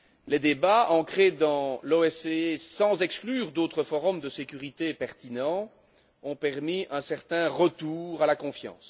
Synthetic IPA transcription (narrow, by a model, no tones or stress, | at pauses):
led̪ebaɑ̃kχed̪ɑ̃loɛseesɑ̃zɛksklyːʁd̪ot̪χəfɔʁɔmd̪əsekʲyʁit̪epɛʁt̪inɑ̃ | ɔ̃pɛʁmiʔɛ̃sɛʁt̪ɛ̃ʁət̪uːʁalakɔ̃fjɑ̰̃s